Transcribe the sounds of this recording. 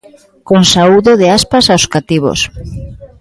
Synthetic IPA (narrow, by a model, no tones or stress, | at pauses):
konsauðoðeaspasawskat̪iβo̰s